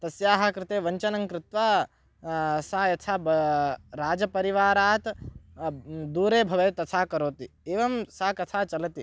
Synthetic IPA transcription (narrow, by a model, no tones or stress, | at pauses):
t̪ɐsjaːɦɐkɾɪt̪eːʋɐɲt͡ʃɐnɐŋkɾɪt̪ʋaː | saːjɐt̪ʰaːbɾaːd͡ʒɐpɐɾiʋaːɾaːt̪ | d̪uːɾeːbʱɐʋɐjt̪ɐt̪ʰaːkɐɾoːt̪ieːʋɐmsaːkɐt̪ʰaːt͡ʃɐlɐt̪i